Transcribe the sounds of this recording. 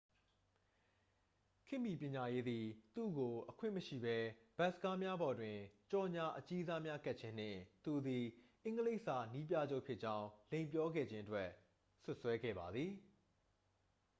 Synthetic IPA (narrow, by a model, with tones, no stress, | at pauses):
kʰɪ̃˦˨mji˨pʲjɪ̃˨ɲa˨je˦d̪ði˨t̪ṵ˦˨ɡo˨ʔəkʰwɪ̃˦˨məʃḭ˦˨bɛ˦b̥ɛ˦ʔsəka˦mja˦bɔ˨dwɪ̃˨t͡ɕɔ˨ɲa˨ʔət͡ɕi˦za˦mja˦ka˦ʔt͡ɕʰɪ̃˦n̥ɪ̰̃˨t̪u˨d̪i˨ʔɪ̃˦ŋɡəle˦ɪʔsa˨ni˦p̬ja̰˦˨d͡ʑo˦ʊpʰjɪ˦ʔt͡ɕã˦ʊ̃lẽ˨mp̬jɔ˦ɡɛ̰˦˨d͡ʑɪ̃˦ʔətwɛ˦ | sʊ˦ʔswɛ˦ɡɛ̰˦˨ba˨d̪ði˨